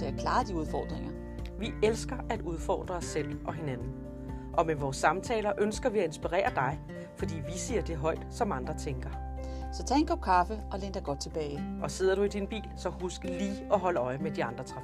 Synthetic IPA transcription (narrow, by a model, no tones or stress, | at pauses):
t͡se̝ækʰlɑ̈ːd̥iuð̞ˠfɒ̰ːd̥ʁeŋɐ | ʋielsɡ̥ɐʔæd̥uð̞ˠfɒ̰ːd̥ʁɐɒsel̰ʔɒ̽ɦe̝nænn̩ | ʔɒ̽meʋɒːsːɑ̈mt͡sʰɛ̰ːlɐʔønsɡ̥ɐʋiæe̝nsb̥iʁɛ̰ːɐd̥ɑ̈ɪ | fɒ̽d̥ḭːʋisḭɐd̥e̝ɦɒ̽ɪ̰d̥sɒ̽mɑ̈nd̥ʁɐt͡sʰeŋɡ̥ɐ | sɒ̽t͡sʰɛ̰ːenkʰɒb̥̚kʰɑfəʔɒ̽lend̥ɑɪɡ̥ɒ̽d̥̚t͡sʰe̝b̥ɛːɪʔɒ̽se̝ð̞̰ˠɐɾ̥uid̥inb̥ḭːlsɒ̽husɡ̥əliːɒ̽ɦɒ̽ləɒ̽ɪmed̥iɑ̈nd̥ʁɐt͡sʰʁɑ